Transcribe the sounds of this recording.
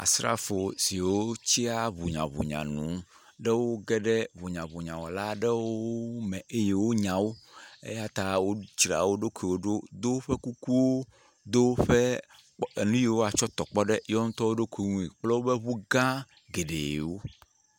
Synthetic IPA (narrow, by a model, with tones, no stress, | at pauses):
a̰˨sɾa̰˦fo˨si˨wo˦t͡ɕi˦a˦βu˨ɲã̰˨βṵ˨ɲã̰˨nũ˨˦ | ɖɛ˦wo˦ɡɛ˦ɖɛ˦βu˨ɲã˨βu˨ɲã˨wɔ˨la˦ɖɛ˦wo˦o˦mɛ̃˨e˦je˨wo˦ɲã˨wo˦ḛ˦ja˦t̪a˦wo˦t͡ʃɾa̰˨wo˦ɖo˦kʷi˨wo˦ɖo˦d̪o˦ɸe˦ku˦ku˦wo˦ | d̪o˦ɸe˦ | e˨nũ˦ji˦˨wo˦a˨t͡ʃɔ˦t̪ɔ˨k͡pɔ˦ɖɛ˦jɔ˦ŋ̩ũ˦t̪ɔ˦wo˦ɖo˦kʰʷi˨ŋũ˦i˨k͡plɛ˦wo˦be˦βu˦ɡã˦ | ɡe˨ɖḛ˨je˨wo˦